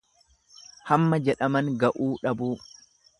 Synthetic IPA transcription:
hɐmːɐd͡ʒɛᶑɐmɐŋɡɐʔuːᶑɐbuː

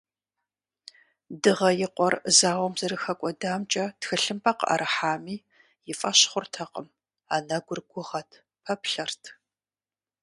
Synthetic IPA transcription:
dɨʁɐjɪqʷɔrzaːwʷɔmzɐɾɨxɐkʷʼɔdaːmt͡ʃʼɐtxɨɬɨmpʰʼɐqa̰ɾʔɨħaːmiː | jɪfʼɐɕχʷʊrtʰɐqəm | aːnɐɡʷʊrɡʷʊʁɐtʰ | pʰɐpɬɐrtʰ

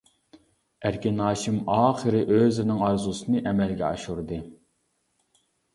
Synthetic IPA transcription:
æɾkʲɪnɑːʃimɑːχəɾɪʔøzɪɾnɪŋɑɾzusɨnɨʔɛmɛlɡʲɛɑ̰ʃuɾd̪ɨ

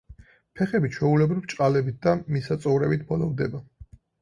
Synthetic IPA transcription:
pʰɛχɛbit͡ʃʰwɛulɛbɾivt͡ʃʼqʼalɛbit̪̚d̪amisat̪sʼɔvɾɛbit̪̚ʰbɔlɔvd̪ɛba

